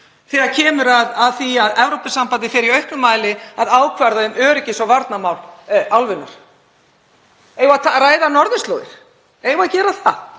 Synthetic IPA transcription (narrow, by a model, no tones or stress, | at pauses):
θɛacʰɛːmʏɾaðaðθiaðɛvɾowpɪsampant̪̬ɪfɪɾiœɥhknʏmaːjlɪaðaːwkʰvaɾðaʏmœːɾɪcɪsɔvaɾt̪namawlawlvʏnːʏɾ̥ | eːjvat̪ʰaɾaːjðanɔɾðʏst̪lo̰ːwɣɪ̰ɾ̥ | ejvaðcɛːɾaθa